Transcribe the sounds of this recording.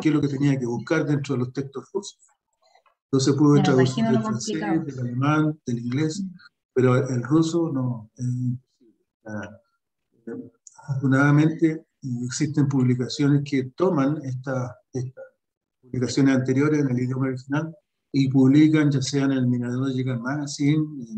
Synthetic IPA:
keloket̪eniak̬eβuhkaɾðentɾoðelost̪ekst̪osruso̥s | nt̪os̬ehpuðetɾaðusiɾd̪elfansesd̪elalemand̪̥eliŋɡles | peɾoelrusonoeimposiβle | a | afoɾt̪unaðame̞nt̪e | eksit̪empuβlikasjo̞nesket̪omaneht̪a | et̪a | puβlikasjo̞nesant̪eɾjo̞ɾeseneliðjo̞maoɾixinal | ip̬uβlikanʝaseanelminaðeeʝeɣanmaɣasin

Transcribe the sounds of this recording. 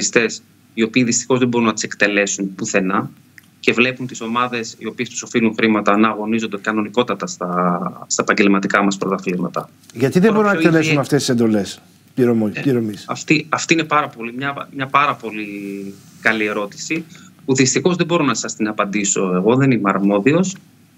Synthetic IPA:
ist̪e̞s | io̞piːðist̪i̥xo̞zðebo̞ɾunɐt̪i̥se̞kt̪e̞le̞sunpuθe̞nɐ | ce̞vle̞punt̪iso̞mɐðe̞sio̞piest̪u̥so̞filuŋxɾimɐt̪ɐnɐɣo̞nizond̪e̞kɐno̞niko̞t̪ɐt̪ɐst̪ɐst̪ɐepɐɲɟe̞lmɐt̪ikɐmɐspɾot̪ɐflizmɐt̪ɐ | ʝɐt̪iðeboɾunnɐokt̪elesunɐft̪est̪ise̞nd̪o̞le̞s | piɾomoiɾomisɐft̪iɐft̪ine̞pɐɾɐpo̞limɲɐmɲɐpɐɾɐpo̞li | kɐlie̞ɾo̞t̪i̥sipuðist̪ixo̞zðebo̞ɾo̞nɐsɐst̪inɐpɐnd̪iso̞e̞ɣo̞ðenimeɐɾmo̞ðio̞s

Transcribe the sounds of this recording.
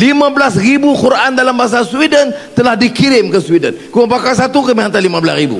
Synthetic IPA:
limãbəlasribukuɾaʔandalambaɦas̬aswidənt̪əlahdikiɾɪmkəswidə̰nkuəpakalsat̪ukəmĩɦant̪alimãbəlasribṵ

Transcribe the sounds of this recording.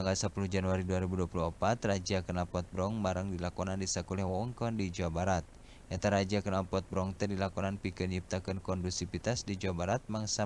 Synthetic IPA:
aŋɡalsapuluhd͡ʒanuaɾiduaɾibuduapuluəpat̪rad͡ʒiakənapɔt̪̚bɾɔŋmaɾəŋdilakɔnandisakulɛhwawəŋkɔndid͡ʒuabaɾat̪̚ | ʔɛt̪aɾad͡ʒiakənapɔt̪̚bɾɔŋt̪ɛdilakɔnanpikɨnɲip̚t̪akɨnkɔndustipit̪asdid͡ʒuabaɾat̪̚maŋsa

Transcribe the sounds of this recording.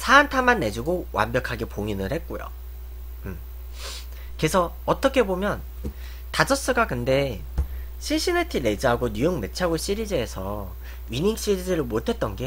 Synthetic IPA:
sʰaːntʰamanːe̞d͡ʑuɡowa̰mbjʌkʰaɡepoŋinɯɭhet̚k͈ojo̰ | ɯm | ke̞sʰʌːt͈ʌkʰe̞bomjʌn | tad͡ʑʌs͈ɯɡakɯnde̞ | ɕʰiɭɕʰinetʰiɾe̞d͡ʑiɦaɡoɲjujoŋme̞t͡ɕʰaɡoɕ͈ʰiɾid͡ʑeːsʰʌ | ɥiniŋɕ͈iɾid͡ʑɯɾɯɭmotʰe̞t̚t͈ʌnɡe

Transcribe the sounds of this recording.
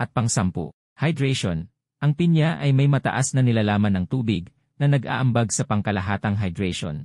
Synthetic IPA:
ʔɐt̪̚pɐŋsampo̰ | hɐjd̪ɹɛjʃon | ʔɐŋpɪnjaʔɐjmɐjmɐt̪ɐ̰ʔasnɐnɪlalaːmɐnɐŋt̪uːbɪɡ | nɐnɐɡa̰ːʔɐmbaɡsɐpɐŋkɐlɐɦaːt̪ɐŋɦɐjd̪ɹɛjʃo̰n

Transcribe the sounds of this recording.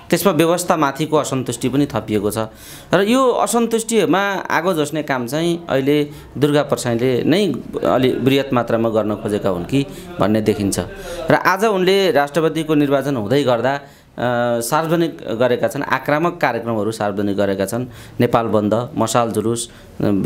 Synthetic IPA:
t̪esmabjʌbʌst̪ʰamat̪ʰikoʌsʌnt̪usʈipʌnit̪ʰʌpijekot͡sʰʌ | rʌjoʌ̰sʌnt̪usʈiɦʌɾumaa̰ɡod͡zosnekamt͡saĩʌ̰ile | d̪urɡapʌrsãj̃lenʌjʌ̰librijʌt̪mat̪ramaɡʌrnʌkʰod͡zekaɦṵnki | bʱʌ̰nːed̪ekʰint͡sʰʌ̰rʌ̰ʔad͡zʌunlerasʈrʌpʌd̪ikonirbat͡sʌnɦũd̪ʌjɡʌrd̪a | sarbʌd͡zʌnikɡʌɾekat͡sʰʌna̰kramʌkːaɾjekrʌmɦʌɾusarbʌd͡zʌnik̚ɡʌɾekat͡sʰʌnː | epalbʌnd̪ʱʌmʌsald͡zulus

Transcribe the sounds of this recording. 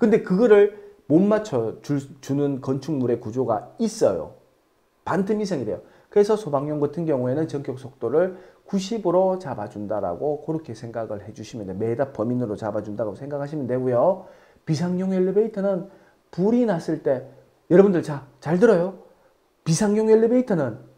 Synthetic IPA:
kɯnde̞kɯɡʌɾɯɭmonmat͡ɕʰʌt͡ɕuɭt͡ɕunɯnkʌnt͡ɕʰuŋmuɾe̞kud͡ʑoɡais͈ʌjo̰ | pantʰɯmisʰeŋide̞̰jo | kɯɾe̞sʰʌsʰobaŋɲoŋɡʌtʰɯnɡjʌŋue̞nɯnt͡ɕʌŋk͈ʰjok̚s͈ʰok̚t͈oɾɯɭkuɕʰibɯɾot͡ɕabad͡ʑundaɾa̰ɡokʌɾɯkʰe̞sʰe̞ŋɡaɡɯɭhe̞d͡ʑuɕʰimjʌndeme̞dap͈ʌminɯɾot͡ɕabad͡ʑundaɡosʰe̞ŋɡakʰaɕ̬ʰimjʌnde̞ɡujo | pisʰaŋɲoŋeɭːibeitʰɯnɯn | puɾinas͈ɯɭt͈e̞ | jʌɾʌbundɯɭt͡ɕat͡ɕaɭdɯɾʌjo | pisʰaŋɲjoŋjʌɭːibeitʰɯnɯn

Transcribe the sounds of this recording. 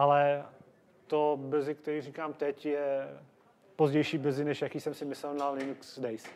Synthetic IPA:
ʔalɛ | t̪obr̩zɪkt̪ɛɾiːriːkaːmt̪ɛcjɛ | pozɟɛjʃiːb̩zɪnɛʃjakiːsɛmsɪmɪslɛlnalɪnuksdɛjs

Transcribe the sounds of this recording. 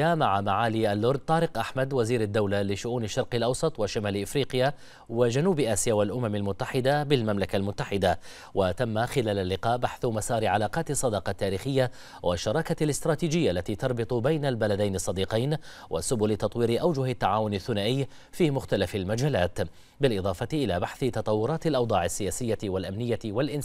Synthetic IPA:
amaʕamaʕaːliʔalːʊɾd̪̚t̪ˤɑːɾɪqʔaħmad̪waziːɾad̪ːawlalɪʃʊʔuːnaʃːɑɾˤqɪlʔɑwsˤɑt̪ˤwaʃamaːlʔɪfɾiːqɪja | wad͡ʒanuːbʔaːsɪjawalʔʊmamalmʊt̪ːaħɪd̪abɪlmamlakalmʊt̪ːaħɪd̪a | wat̪amːaxɪlaːlalːɪqɑːʔbaħθʊmasɑːɾɪʕalaːqɑːt̪ɨsˤːɑd̪ɑqɑt̪ːaːɾiːxɪjːa | waʃːɑɾˤɑːkalɪst̪ɾˤɑːt̪iːd͡ʒɪjːaʔlːat̪iːt̪ɑɾˤbɨt̪ˤʊbajnalbalad̪ajnɪsˤːɑd̪iːqɑjn | wʔa̰sʊbʊlɪt̪ɑt̪ˤwiːɾɪʔawd͡ʒʊhat̪ːaʕaːwʊnɪθːʊnaːʔɪjː | fiːmʊxt̪alafalmad͡ʒaːlaːt̪ | bɪlʔɪd̪ˤɑːfɑt̪ɪʔɪlaːbaħθɪt̪ɑt̪ˤɑwːʊɾˤɑːt̪ɪlʔɑwd̪ˤɑːʕɪsːɪjaːsɪjːaɪwalʔamnɪjːawalʔɪn

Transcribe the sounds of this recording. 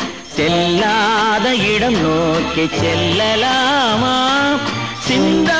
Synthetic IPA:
sɛlːaːðɐɪɽɐmnoːkɐt͡ʃɛlːɐlaːmaː | sɪnd̪ɐ

